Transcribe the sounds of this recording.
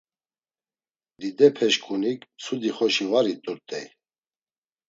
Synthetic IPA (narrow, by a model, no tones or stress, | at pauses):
d̪id̪ɛpʰɛʃkʼunikʰsʰud̪iχɔʃivaɾit̪ʼuɾt̪ʼɛj